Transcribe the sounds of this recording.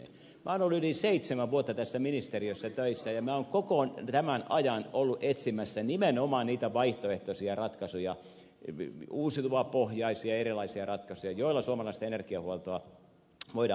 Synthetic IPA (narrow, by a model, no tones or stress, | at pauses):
mæonolːuyliseit̪semæʋʋuot̪ːɑt̪æsːæminist̪eriøsːæt̪øisːæjɑmæːoːŋkokont̪æmænʔɑjɑnolːuʔet̪simːæsːænimenomɑnniːt̪æʋɑiht̪oeht̪osiɑrɑt̪kɑsujɑ | uːsit̪uɑpohjɑisiɑerilˑɑisiɑrɑt̪kɑsujɑjoilːˑɑsuomɑlɑist̪ɑenerkiɑhuolt̪oɑ | ʋoid